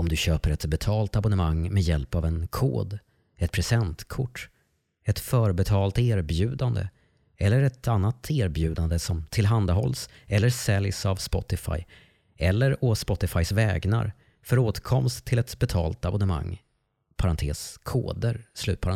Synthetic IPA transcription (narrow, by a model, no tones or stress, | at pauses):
ɔmd̪ɵɕøːpəɾɛt̪bɛt̪ʰɑːlt̪abʊnəmaŋmɛd̪jɛlpavɛnkʰo̰ːd̪ | ɛt̪̚pʰɾɛsɛnt̪kʰʊʈː | ɛt̪fœːɾbɛt̪ʰɑːlt̪eːɾbjʉ̟ːd̪and̪ə̰ | ɛlːəɾɛt̪ʰanːat̪ʰeːɾbjʉ̟ːd̪and̪əsɔmt̪ʰɪlɦand̪aɦɔls | ɛlːəɾsɛljsavspɔ̰t̪ɪfa̰j | ɛlːəɾɔspɔt̪ːɪfajsvɛːɡna̰ɾ | fœɾoːt̪kʰɔmst̪ʰːɪlɛt̪bɛt̪ʰɑ̰ːlt̪abʊnəma̰ŋː | pʰaɾant̪ʰḛːskʰo̰ːd̪əɾslʉ̟ːt̪pʰaɾa